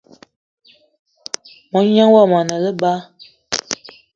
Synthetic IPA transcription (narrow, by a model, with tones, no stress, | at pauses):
mɔ˨˦ɲa˦ŋwa˦˨ma˨nə˨lə˦ba˦